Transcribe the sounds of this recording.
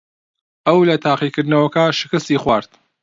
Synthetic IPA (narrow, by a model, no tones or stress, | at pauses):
ʔɐwlɐt̪ʰaːqiːkɨɾd̪nɐwɐkɐʃɪkɨst̪iːxwaːɾt̪̚